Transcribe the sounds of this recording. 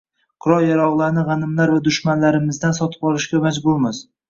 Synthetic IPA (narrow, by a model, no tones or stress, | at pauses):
qʰʊɾɒlˠjaɾɒʁlˠaɾnɪʁɑnɪmlaɾvad̪ʊʃmanlaɾɪmɪzd̪ansɒt̪ʰɪ̥bɒlˠɪʃkʲamad͡ʒbʊɾmɪz̥